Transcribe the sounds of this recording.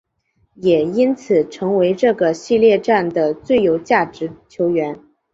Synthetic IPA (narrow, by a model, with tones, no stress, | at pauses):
jɛ˨˩i˥nt͡sʰɹ̩˨˩ʈ͡ʂʰɤ˧˥ŋwe˧˥ɪʈ͡ʂɤ˥˩ɡə˩ɕi˥˧ljɛ˥˧ʈ͡ʂa˥˩nd̪ə˩t͡swe˥˩ɪjo˨˩ʊt͡ɕja˥˩ʈ͡ʂɻ̩˧˥t͡ɕʰjo˧˥ʊɥɛ˧˥n